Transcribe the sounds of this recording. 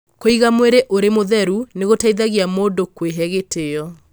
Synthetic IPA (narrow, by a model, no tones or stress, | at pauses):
koiɣamweɾeʔoɾemoðɛɾuneɣotaiðaɣiamoːndokweɦɛɣetʰeɔ